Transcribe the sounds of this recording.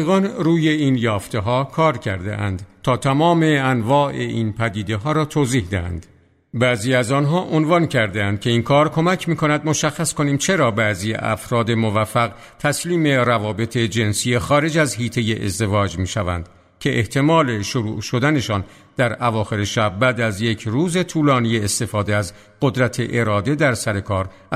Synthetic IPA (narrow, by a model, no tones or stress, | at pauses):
ɣɒnɾuːje̞iːnjɒːft̪e̞ɦɒːkʰɒːɾcʰæɾd̪ḛʔæ̰nd̪t̪ʰɒːt̪ʰæmɒːme̞ænvɒːʔe̞iːnpʰæd̪iːd̪e̞ɦɒːɾɒːt̪ʰoːziːhd̪ehæ̰nd̪̥ | bæziːæzɒːnɦɒːʔonvɒncʰæɾd̪eænd̪̥̚kʲʰe̞iːnkʰɒːɾkʰo̞mæcʰmiːkʰonæd̪mo̞ʃæxːæsko̞niːmt͡ʃʰe̞ɾɒːbæziːjḛʔæ̰fɾɒːd̪e̞mo̞væfːæɣ | t̪ʰæsliːme̞ɾævɒːbe̞t̪ʰe̞d͡ʒe̞nsijexɒːɾe̞d͡ʒæzɦiːt̪ʰe̞jeʔḛzd̪e̞vɒːd͡ʒmiːʃævæ̰nd̪̥ | cʰe̞ʔeht̪ʰe̞mɒːle̞ʃoɾuːʃo̞d̪æne̞ʃɒːn | d̪̥æɾævɒːxe̞ɾe̞ʃæb̚bæːd̪æzje̞kʰɾuːze̞t̪ʰuːlɒːnijeːst̪e̞fɒːd̪eæz | ɢ̥od̪ɾæt̪ʰe̞ʔeɾɒːd̪e̞d̪æɾsæɾe̞kʰɒːɾ